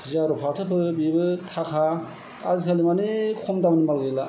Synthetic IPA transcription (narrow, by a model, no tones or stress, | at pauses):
zaɾɔpʰatʰɯpʰɯbibɯtʰakʰa | azikʰalimanikʰɔmdamnimalɡela